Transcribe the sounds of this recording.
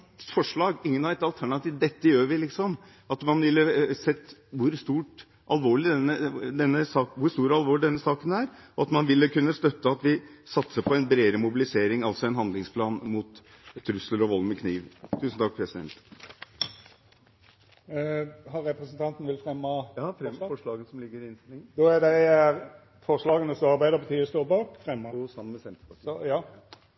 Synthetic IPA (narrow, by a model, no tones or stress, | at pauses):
fɔʂɭɑːɡɪŋːənɑʋɛt̪ɑlt̪ʰæɳɑt̪ʰiːʋd̪ɛt̪ːəjøːɾʋɪlɪksɔm | ɑt̪mɑnʋɪlːəsɛt̪ːʋʊɾst̪uːʈ | ʔɑlʋoːɭɪd̪ɛnəd̪ɛnːəsɑːkʋʊst̪uːɾɑlʋoːɭɪd̪ɛnːəsɑːkənæːɾɔɑt̪mɑnʋɪlːəkʉnːəst̪œt̪ːəɑt̪ʋɪsɑt̪səpʰɔɛnbɾeːɾəmʊbɪlɪseːɾɪŋɑlsɔɛnɦɑnd̪lɪŋspʰlɑːnmʊt̪ | t̪ʰːɾʉsləɾɔʋɔlmɪkʰniːʋt̪ʰʉːsn̩t̪ʰɑk̚pʰɾɛsɪd̪ɛ̰nt̪ | hɑɾɛpɾɛsənt̪ɑnt̪n̩ʋɪlfɾɛmːɑjɑːffɔʂɭɑːɡənsɔmlɪɡːəɾɪɪnst̪ɪlɪŋnd̪ɔæd̪æɪæɾ | fɔʂlɑːɡənəsɔɑɾbæɪd̪əʁbət̪ʰyːst̪oːbɑːkfɾɛmːsɑmːənmɛsɛnt̪ɾəpɑjɑː